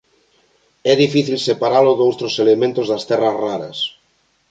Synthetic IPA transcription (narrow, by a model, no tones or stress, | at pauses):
ɛðifiθilsepaɾaloðowt̪ɾoselemẽnt̪ozðɐst̪ɛrazraɾɐs